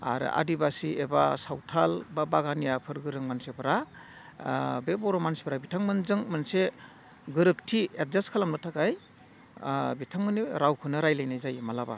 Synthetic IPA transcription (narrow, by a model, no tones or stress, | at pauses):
a̰ɾɯ̰ʔa̰dibasiʔebasawtʰalbabaɡanijapʰɯɾɡɯɾɯŋmansepʰɾa | bebɔɾomanse̥pʰɾabitʰaŋmɯnzɯŋmɯnse | ɡɯɾɯp̚tʰiet̚zaskʰalamnɯtʰakaj | bitʰaŋmɯniɾawkʰɯnɯɾajlajnajzajmalaba̰